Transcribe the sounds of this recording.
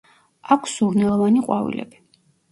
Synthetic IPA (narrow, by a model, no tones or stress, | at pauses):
akʰsuɾnɛlˠɔvaniqʼwavḭlɛ̰bi